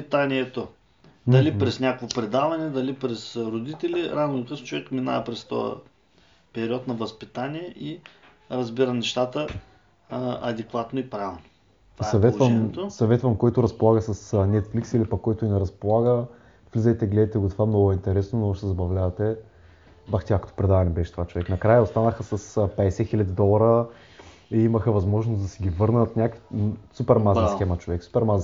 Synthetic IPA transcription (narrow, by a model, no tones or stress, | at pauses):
pit̪anʲiɛt̪o | d̪ɐlipɾɛsnʲakovopɾɛd̪avɐnɛd̪ɐlipɾɛsɾod̪it̪ɛliɾanokəst͡ʃovɛkmina̰ɛpɾɛst̪ɔ̰ə̰ | pɛɾʲiɔt̪nɐvɐspit̪aniɛʔi | ɾɐzbiɾənɛʃt̪at̪ə | ɐd̪ɛkvat̪noipɾalno | sɐvɛt̪vəmt̪osɐvɛt̪vəmkɔjt̪ʊɾɐspolˠaɣəsɐsnɛt̪fliksilipɐkːɔjt̪ʊinɛɾɐspolˠaɡə | v̥lizəjt̪ɛɡlɛd̪ɐt̪ɛɡot̪ovamnɔɡʊɛint̪ɛɾɛsnonoɡʊʃsɛzɐbɐvlʲavɐt̪ɛ | baxt̪ʲakət̪o̥pɾɛd̪avɐnʲɛbɛʃɛt̪ovat͡ʃovɛknɐkɾajəost̪anəxəsɐspɛd̪ɛsɛxilʲəd̪ʲid̪ɔlˠɐɾə | iiməxəvɐzmɔʒnoszd̪ɐsɛɡʲivɤɾnət̪nʲakisupɛɾmaznəsxɛmət͡ʃovɛksu̥pɛɾmaz